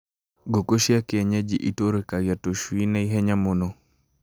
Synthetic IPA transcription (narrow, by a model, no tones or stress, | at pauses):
ɡokoʃjakɪɛɲad͡ʒiʔitoɾekaɡjatoʃwinaiɦɛɲamono